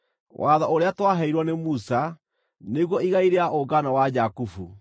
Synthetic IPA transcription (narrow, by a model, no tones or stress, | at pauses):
wʔaðaoɾeatwaɦɛiɾwɔnemusa | neɣwɔiɣaiɾeaʔoɡanawad͡ʑakufu